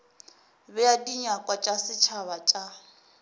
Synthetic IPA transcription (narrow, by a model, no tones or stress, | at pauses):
bɛadiɲakʼwat͡ʃʼasɪt͡ʃʰaβat͡ʃʼa